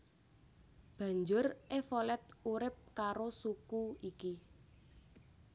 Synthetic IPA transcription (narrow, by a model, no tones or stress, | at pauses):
b̥ä̤ɲd͡ʒʊrʔefolɛt̪̚uɾɪp̚kaɾosukuiki